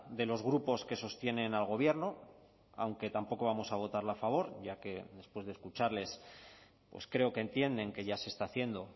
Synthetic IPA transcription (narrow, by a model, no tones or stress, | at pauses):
d̪e̞lo̞zɣɾupo̞ske̞so̞st̪je̞ne̞nalɣ̞o̞β̞je̞ɾno̞ | a̰wŋke̞t̪ampo̞ko̞β̞amo̞saβ̞o̞t̪aɾlafaβ̞o̞ɾʝake̞ðe̞spwe̞zðeskut͡ʃaɾle̞s | pwe̞̰skɾe̞o̞kent̪je̞nd̪e̞ŋke̞ʝase̞st̪aːθje̞nd̪o̞